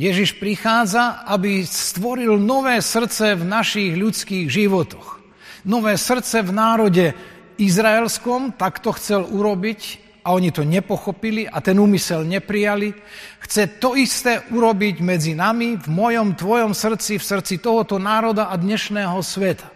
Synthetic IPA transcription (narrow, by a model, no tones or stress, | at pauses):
jɛʒiʃpɾixaːd͡zaabist̪ʋɔɾilnɔʋɛːsr̩t͡sɛvnaʃiːɣʎut͡skiːɣʒiʋɔt̪ɔx | nɔʋɛːsr̩t͡sɛvnaːɾɔɟɛ | izɾaɛlskɔmt̪akt̪ɔxt͡sɛluɾɔbic | aɔɲit̪ɔɲɛpɔxɔpiliʔat̪ɛnuːmisɛlɲɛpɾijali | xt͡sɛt̪ɔist̪ɛːʔuɾɔbiɟmɛd͡zinamivmɔjɔmt̪ʋɔjɔmsr̩t͡sifsr̩t͡sit̪ɔɦɔt̪ɔnaːɾɔd̪aad̪ɲɛʃnɛːɦɔsʋɛt̪ḁ